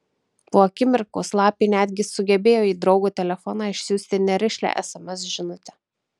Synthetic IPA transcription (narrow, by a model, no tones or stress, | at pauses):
poːɐkʲɪmʲɪɾkoːslˠɑːpʲiːnʲæːd̪ʲɡʲɪsʊɡʲɛbʲeːjoːiːd̪ɾɒʊɡuːt̪ʲɛlʲɛfɔnɑːɪʃʲsʲuːsʲt̪ʲɪnʲɛɾʲɪʃʲlʲæ̰ʔɛsɛmʲɛsʒʲɪnʊt̪ʲɛ